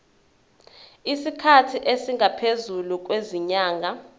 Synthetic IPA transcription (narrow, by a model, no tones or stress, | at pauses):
isikʰatʰiʔesiŋɡʱapʰezuluk̬ʼweziɲaːŋa